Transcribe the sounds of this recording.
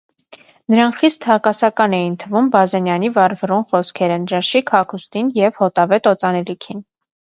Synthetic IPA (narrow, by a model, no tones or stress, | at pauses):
nəɾɑŋkχist̪hɑkɑsɑkɑnɛjint̪ʰəvumbɑzɛnjɑnivɑɾvərunχɔskʰɛɾənd̪ɾɑʃikʰhɑkʰust̪injɛvhɔt̪ɑvɛt̪ɔt͡sɑnɛlikʰin